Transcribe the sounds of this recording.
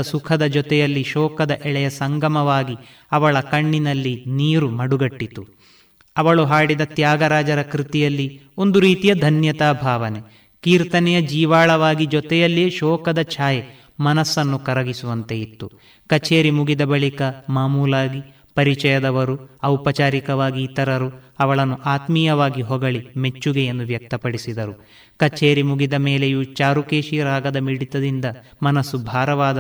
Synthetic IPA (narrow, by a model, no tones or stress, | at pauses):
sukʰɐd̪ɐd͡ʒɔt̪ɛjɐlːiʃɔːkɐd̪ɐʔɛɭɛjɐsɐŋɡɐmɐʋaːɡi | ɐʋɐɭɐkɐɳːinɐlːiniːɾumɐɽuɡɐʈːit̪u | ɐʋɐɭuɦaːɽid̪ɐt̪jaːɡɐɾaːd͡ʒɐɾɐkɾit̪ijɐlːi | o̞nd̪uɾiːt̪ijɐd̪ʱɐnjɐt̪aːbʱaːʋɐne | kiːɾt̪ɐnɛjɐd͡ʒiːʋaːɭɐʋaːɡid͡ʒɔt̪ɛjɐlːieʃɔːkɐd̪ɐt͡ʃʰaːje | mɐnɐsːɐnːukɐɾɐɡisuʋɐnt̪e̞it̪ːu | kɐt͡ʃeːɾimuɡid̪ɐbɐɭikɐmaːmuːlaːɡi | pɐɾit͡ʃɐjɐd̪ɐʋɐɾuɐwpɐt͡ʃaːɾikɐʋaːɡiːt̪ɐɾɐɾuɐʋɐɭɐnːuʔaːt̪miːjɐʋaːɡiɦɔɡɐɭime̞t͡ʃːuɡejend̪uʋjɐk̚t̪ɐpɐɽisid̪ɐɾu | kɐt͡ʃeːɾimuɡid̪ɐmeːlejut͡ʃaːɾukeːʃiɾaːɡɐd̪ɐmiɽit̪ɐd̪ind̪ɐ | mɐnɐsːubʱaːɾɐʋaːd̪ɐ